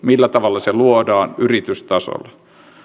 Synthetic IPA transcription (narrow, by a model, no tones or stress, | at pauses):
milːæt̪ɑʋɑlːɑseluodɑːnyrit̪yst̪ɑso̰lːɑ